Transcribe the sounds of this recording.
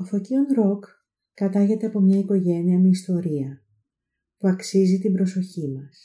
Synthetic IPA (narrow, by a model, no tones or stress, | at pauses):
ofo̞cio̞nɾo̞kː | ɐt̪ɐʝe̞t̪e̞ɐpo̞mɲɐiko̞ʝe̞niɐmeist̪o̞ɾiɐ | puɐksizit̪ibɾo̞so̞çimɐs